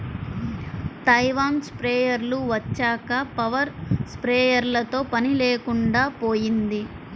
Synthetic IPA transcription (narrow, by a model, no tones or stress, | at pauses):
t̪ɐjʋaːnspɾeːjɐɾluʋɐt͡ʃːaːkɐpɐʋɐɾspɾeːjɐɾlɐt̪o̞ːpɐnileːkuɳɖaːpo̞ːjind̪i